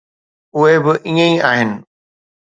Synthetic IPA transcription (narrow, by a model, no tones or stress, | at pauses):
ʊɦebɪʔiːə̃iaːɦɪnɪ̆